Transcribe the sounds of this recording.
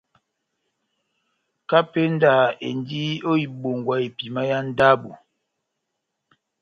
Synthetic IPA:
ka˦pe˦n˦da˨ḛ˨n˦di˦o˦i˨ɓo˨ŋɡwa˦e˨pi˨ma˦ja˦n̩˦da˦bṵ˨

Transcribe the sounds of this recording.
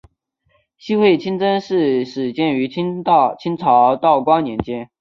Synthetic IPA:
ɕi˥xwe˥˩ɪt͡ɕʰi˥nt͡sə˥nʂɻ̩˥˩ʂɻ̩˨˩t͡ɕjɛ˥˩ny˧˥t͡ɕʰt͡ɕʰi˥nt͡sʰɑ˧˥ʊt̪ɑ˥˩ʊkwɑ˥ŋnjɛ˧˥nt͡ɕjɛ˥n

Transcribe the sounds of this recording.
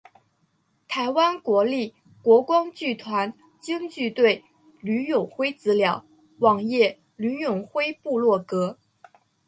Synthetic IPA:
t̪ʰa˧˥ɪwa˥nkwɔ˧˥li˥˩ | kwɔ˧˥kwɑ˥ŋt͡ɕy˥˩t̪ʰwa˧˥n | t͡ɕi˥ŋt͡ɕy˥˧t̪we˥˩ɪ | ly˧˥jo˨˩ʊxwe˥ɪt͡sɹ̩˧˥ljɑ˧˥˦ʊ | wɑ˨˩ŋjɛ˥˩ | ly˧˥jʊ˨˩ŋxwe˥ɪpu˥˧lwɔ˥˩kɤ˧˥

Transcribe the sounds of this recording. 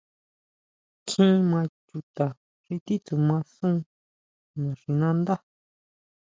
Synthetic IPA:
kʰĩ˦mã˧t͡ʃu˧t̪a˨ | ʂi˧t̪i˦t̪u˨mã˧sũ˦˧ | nã˨ʂi˧nã˦nd̪a˦

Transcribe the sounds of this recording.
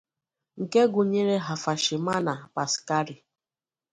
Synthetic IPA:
ŋ̩˨ke˦ɡʊ˨ɲe˦ɾe˦ɦa˨fa˨ʃɪ˨ma˦na˨pa˨ska˦ɾi˨

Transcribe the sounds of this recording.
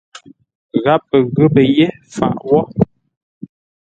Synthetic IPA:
ɣa˨˦pːə˨ɣʉ˦bə˨je˦ | fa̰˨ʔwɔ˦

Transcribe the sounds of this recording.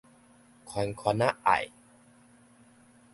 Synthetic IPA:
kʰɔ˨˩˦nkʰɔ˧na˦˥ʔa̰˨˩j

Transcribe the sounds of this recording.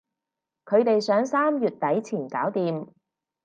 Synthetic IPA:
kʰɵ˨˧ɥt̪e˨jsœː˨˥ŋsaː˥mjyː˨t̚t̪ɐ˨˥jt͡sʰiː˨˩nkaː˨˥wt̪iː˨m

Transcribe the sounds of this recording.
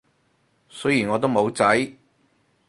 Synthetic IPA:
sɵ˨˥jiː˨˩nŋɔː˨˧t̪̬o˥wmo˨˧wt͡sɐ˨˥j

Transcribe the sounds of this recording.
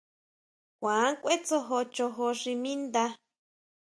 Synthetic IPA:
kʷãː˨˦kʷe˦t͡so˧ɦo˧t͡ʃo˧ɦo˧ʂi˧mĩ˦nd̪a˧

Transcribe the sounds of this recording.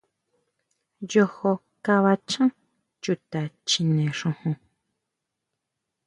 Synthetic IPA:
jo˧ho˧ | ka˧βa˧t͡ʃã˦ | t͡ʃu˨t̪a˨t͡ʃĩ˨nɛ̃˨ʂõ˧hõ˧

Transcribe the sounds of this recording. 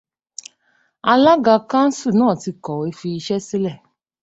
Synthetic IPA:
a˧la˦ɡa˧ka˦n̩˦su˦˨nɔ̃ː˦˨ti˧kɔ˨e˦fi˧˦ʃɛ˦si˦lɛ˦˨

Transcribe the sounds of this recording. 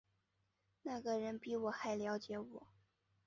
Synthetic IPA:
na˥˩ɡə˩ɻə˧˥npi˧˥wɔ˨˩xa˧˥ɪljɑ˧˥ʊt͡ɕjɛ˧˥˦wɔ˨˩˦

